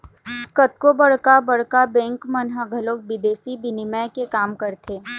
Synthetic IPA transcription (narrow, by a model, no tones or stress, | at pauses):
kɐt̪̚kobɐɽ̤kabɐɽ̤kabɛ̃ːŋkmɐnɦəɡʱəloːk̚bɪd̪eːsibɪnɪmɛkekaːmkɐɾt̪ʰeː